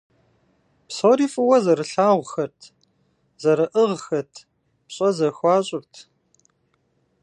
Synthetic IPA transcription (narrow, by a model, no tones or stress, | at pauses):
psoːɾiːfʼɨwɐzɐɾɨɬaːʁʷxɐrtʰ | zɐɾɐʔəʁxɐtʰ | pɕʼɐzɐxʷɑːɕʼʊrtʰ